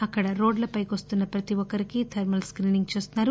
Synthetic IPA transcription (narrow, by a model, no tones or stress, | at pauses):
ɐkːɐɽɐɾo̞ːɖlɐpɐjkʋɐst̪unːɐpɾɐt̪iʋɔkːɐɾikit̪ʰɐɾmɐlskɾiːniŋɡ̚t͡ʃeːst̪unːaːɾu